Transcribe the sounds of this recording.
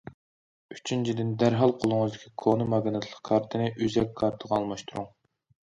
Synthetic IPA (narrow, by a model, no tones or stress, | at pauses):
y̥t͡ʃʰynt͡ʃʰid̪ɪnd̪æɾɦɑlˠqʰolˠuŋəzd̪ɪkʲʰikʰonɨmɑɡʲnɨt̪ʰlˠəqkʰɑɾt̪ʰɨnɨʔyzɛk̚ʲkːʰɑɾt̪ʰəʁɑɑlˠmɑʃt̪ʰuɾuŋ